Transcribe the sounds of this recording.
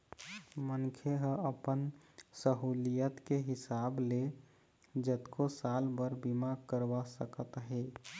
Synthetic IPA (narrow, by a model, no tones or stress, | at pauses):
mənkʰeɦəəpənsəɦulijət̪keɦɪsable | d͡ʒət̪kosalbəɾbimakəɾbasəkət̪ɦe